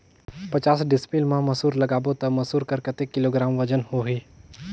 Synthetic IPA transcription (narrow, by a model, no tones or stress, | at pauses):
pət͡ʃaːsɖɪspilmãmɐsuːɾlɐɡaːbot̪ɐmɐsuːɾkəɾkɐt̪ekːɪloːɡɾaːmʋəd͡ʒənhoɦiː